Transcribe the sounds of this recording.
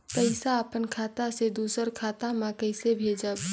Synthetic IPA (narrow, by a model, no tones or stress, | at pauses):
kəɪsaəpənkʰaːt̪ased̪uːsəɾkʰaːt̪amãkəɪsebʱeːd͡ʒəb